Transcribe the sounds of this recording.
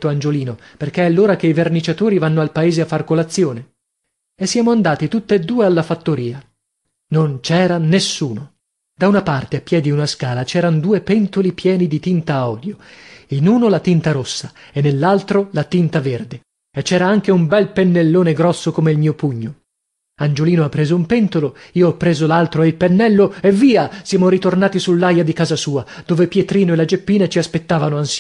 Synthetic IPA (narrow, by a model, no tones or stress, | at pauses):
t̪ːoand͡ʒoliːnoperk̟eɛalːoːɾak̟eivernit͡ʃat̪oːɾivanːoalpaeːzeafːarkolat̪sːjoːne | esːjaːmoand̪aːt̪it̪ut̪ːeed̪ːuːealːafat̪ːoɾiːa | nont͡ʃɛːɾanesːuːno | d̪̥aunapart̪eapːjɛd̪iunaskaːlat͡ʃɛːɾanod̪uːepɛnt̪olipjɛːnid̪it̪int̪aɔːd̪joinuːnolat̪int̪aɾosːaenːelːalt̪ɾolat̪int̪averd̪e | et͡ʃːɛːɾaaŋk̟eumbɛlpenːelːoːneɡɾɔsːokomeilmiːopuɲːo | and͡ʒoliːnoapːɾeːzoumpɛnt̪oloiːoɔpːɾeːzolalt̪ɾoeilpenːɛlːoevːiːasjaːmoɾit̪ornaːt̪isulːajad̪ikaːzasuːad̪̥oːvepjet̪ɾiːnoelad͡ʒepːiːnat͡ʃiaspet̪ːaːvanoans